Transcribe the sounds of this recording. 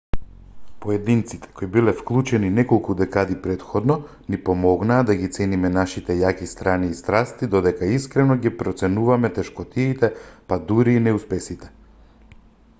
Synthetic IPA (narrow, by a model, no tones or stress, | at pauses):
pɔɛd̪int̪sit̪ʰɛ̥kojbilɛfklˠut͡ʃɛninɛkɔlˠkud̪ɛkad̪ipɾɛt̪xɔd̪nɔ | nipɔmɔɡnaːd̪aɡit̪sɛnimɛnaʃit̪ɛjakist̪ɾaniːst̪ɾast̪id̪ɔd̪ɛkaiskɾɛnɔɡipɾɔt̪sɛnuvamɛt̪ɛʃkɔt̪iːt̪ɛpad̪uɾiːnɛuspɛsit̪ɛ̥